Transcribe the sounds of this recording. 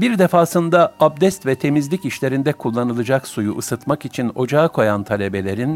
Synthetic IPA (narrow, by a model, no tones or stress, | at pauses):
biɾd̪ɛfaːsɯnd̪aab̚d̪ɛst̪vɛt̪ʰe̞mizlʲiciʃlʲe̞ɾind̪ɛkʰulˠːanɯlˠɯd͡ʒaksujuʔɯsɯt̪makit͡ʃʰino̞d͡ʒaːkʰo̞jant̪ʰalʲe̞be̞lʲe̞ɾin